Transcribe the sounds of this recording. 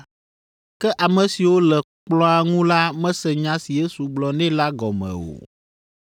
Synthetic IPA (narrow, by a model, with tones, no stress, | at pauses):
kɛ˦ʔa˨mɛ̃˨si˨wo˦lɛ˨ | k͡plɔ̃˦a˨ŋũ˦la˦mɛ̃˦sɛ˨ɲã˦si˨je˦su˨ɡ͡blɔ˨nɛ̃˦la˦ɡɔ˨mɛ̰̃˨o̰˨